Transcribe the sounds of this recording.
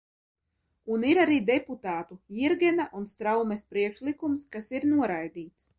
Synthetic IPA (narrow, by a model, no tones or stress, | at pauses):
uniɾaɾiːd̪ɛput̪aːt̪uiɾɡʲɛnaʔunst̪ɾawmespɾiɛkʃlˠikumskasiɾnuɔɾajd̪iːt̪s